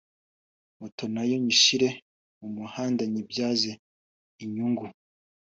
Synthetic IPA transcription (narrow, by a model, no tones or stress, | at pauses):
moto̞najo̞ɲiʃiɾe̞ | mumuhaːndaɲibjaːze | iɲuŋɡu